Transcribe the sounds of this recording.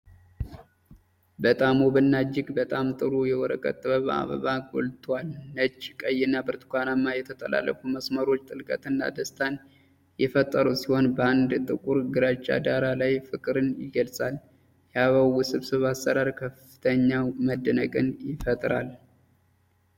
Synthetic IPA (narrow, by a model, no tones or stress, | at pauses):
bət̪ʼamobɨnːad͡ʒːɪɡbət̪ʼamt̪ʼɨɾujɛwɔɾəkʼə̰t̪ʼːɨβəβa̰βə̰βaɡo̰lt̪ʰwalːət͡ʃʼːkʼəjɪnːabɨɾt̪ʰʼkʷanamːajɛt̪ʰət̪ʼəla̰lːə̰fuməsməɾo̞t͡ʃːt̪ʼɨlkʼə̰t̪ɨnːa̰d̪əst̪ʰan | jɛfət̪ʼːəɾusiho̞nbəand̪t̪ʼɨkʼuɾɡɨɾat͡ʃʼːa̰d̪aɾalajfɨkʼɨɾɨnjɪ̰ɡəlsʼal | jɛaβawusɨβsɨβasːəɾaɾkʰəfɨ̥t̪ʰəɲːaməd̪ːənəkʼɨnjɪfət̪ʼɾa̰l